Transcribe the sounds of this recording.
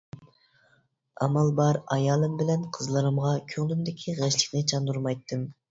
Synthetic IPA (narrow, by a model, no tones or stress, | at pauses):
ɑ̰mɑlˠbɑɾɑjɑlˠɯmbɪlɛnqʰəzlˠɨɾɯmʁɑkʲʰøŋlymd̪ɪkʲʰiʁɛʃlˠɪ̥kʲnɪt͡ʃʰɑnd̪uɾmɑjt̪ʰːɨm